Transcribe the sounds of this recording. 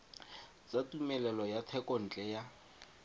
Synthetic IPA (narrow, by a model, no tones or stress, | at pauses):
t͡sʼatumɛlɛlɔjatʰɛkʼɔn̩t͡ɬʼɛja